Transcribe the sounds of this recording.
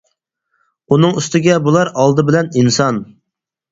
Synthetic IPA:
unɨŋyst̪ɪɡʲɛbulˠɑɾɑlˠd̪ɨbɪlɛninsɑn

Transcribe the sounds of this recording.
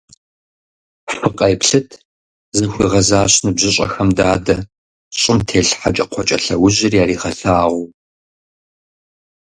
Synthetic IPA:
ħɨqʼɐjpɬɨtʰ | zɨxʷiːʁɐzaːɕnɨbʑɪɕʼɐ̰xɐmdaːdɐ | ɕʼɪmtʰeːɬħat͡ʃʼɐqʷʰɔt͡ʃʼɐɬɐwʊʑɪrjaːɾiːʁɐɬaːʁʷʊ

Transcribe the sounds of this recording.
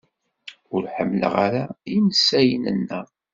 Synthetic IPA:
ʊɾħəmːlə̰ʁaɾaiməsæjənə̰nːə

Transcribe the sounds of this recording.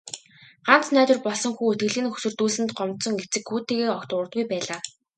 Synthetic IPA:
ɢ̥an̥t͡snæːt̪wɘ̆rpɔɮsɞ̆ŋxuːɵt̪̚ɡɘ̆ɮiːnxɵ̥sɵ̆rt̪uːɮɘ̆nt̪̚ɢɔmt̪sɞ̆ŋɡet͡sɘ̆kxuːt̪ʰeːɣeːɔkt̪ʊːɾə̆t̪ɡujpæːɮaː

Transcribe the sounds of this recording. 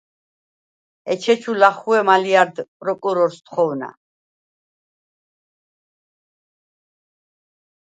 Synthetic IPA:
ɛt͡ʃʰɛt͡ʃʰulaχuɛmaliaɾd̪pʼɾɔkʼuɾɔɾst̪χɔwna̰

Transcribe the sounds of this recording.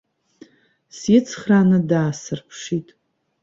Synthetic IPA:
sɪt͡sʰχranadaːsɨrpʰʂitʼ

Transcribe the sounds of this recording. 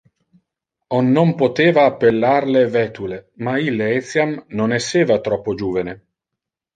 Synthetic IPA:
onːompot̪eːvaːpːelːarlevɛt̪ulemailːeet̪sjamnonɛsːeːvat̪ɾɔpːod͡ʒuːvene

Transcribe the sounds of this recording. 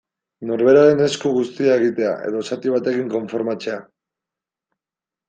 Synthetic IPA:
no̞ɾβe̞ɾaɾe̞ne̞skuɣust̪iae̞ɣ̞it̪e̞a̰ʔe̞̰ðo̞sat̪iβ̞at̪e̞kiŋko̞ɱfo̞ɾmat͡se̞a

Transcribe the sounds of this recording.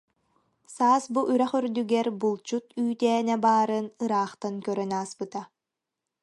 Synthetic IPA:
saːsbuʔyɾɛχyɾd̪yɡɛɾbulˠt͡ɕut̪yːt̪ɛːnɛbaːɾɯnɯɾaːχt̪ankœɾœnaːspɯt̪a

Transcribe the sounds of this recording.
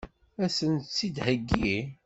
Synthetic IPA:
æsənt͡sːid̪həɡːi

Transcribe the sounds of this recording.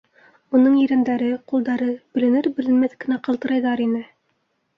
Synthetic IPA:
unɤɴjɵ̆ɾænd̪æɾɘqulˠd̪ɑɾɤb̥ɵ̆lɘ̆nɘɾbɘ̆lɘ̆nmæθkɘ̆næqɤ̆lˠt̪ɤ̆ɾɑjðɑɾinɘ

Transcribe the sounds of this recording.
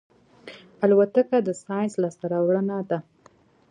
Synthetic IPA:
alwat̪akad̪əsɑjnslɑst̪aɾawɽənad̪a

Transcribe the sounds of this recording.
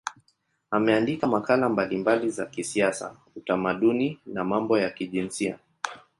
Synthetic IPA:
amɛandikamakalambalimbalizakisiasa̰ | utamaɗuninamambɔjakiʄinsia̰

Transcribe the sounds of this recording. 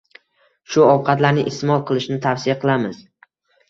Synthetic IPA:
ʃʊɒwqʰɑt̪laɾnɪʔɪst̪ɪmɒlˠqʰɨlˠɪʃnɪt̪ʰafsɪjaqʰɨlˠamɪz̥

